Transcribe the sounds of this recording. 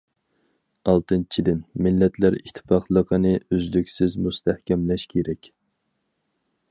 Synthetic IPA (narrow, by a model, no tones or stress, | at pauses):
ɑlˠt̪ʰɨnt͡ʃʰid̪ɪnmɪlːɛt̪ʰlæɾḭt̪ʰːɨ̥pɑqʰlˠəqʰənɨøzlykʲsɪzmust̪ʰæhkʲɛmlɛʃkʲʰeɾɛkʲ